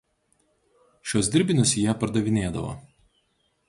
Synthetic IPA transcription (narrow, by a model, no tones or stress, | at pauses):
ʃʲoːsʲd̪ʲɪɾʲbʲɪnʲʊsjiɛpɐɾd̪ɐʋʲɪnʲeːd̪ɐ̰ʋo̰